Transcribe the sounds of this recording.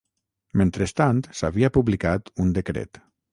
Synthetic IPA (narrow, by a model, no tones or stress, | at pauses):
ment̪ɾest̪ant̪saβiapuβlikat̪und̪ekɾḛt̪